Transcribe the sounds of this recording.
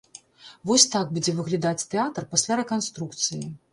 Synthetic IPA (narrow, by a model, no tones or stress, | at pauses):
vɔsʲt̪aɡ̚bud͡zʲɛvɨɣlʲad̪at͡sʲt̪ɛat̪rpasʲlʲaɾɛkanst̪ɾukt̪sɨjii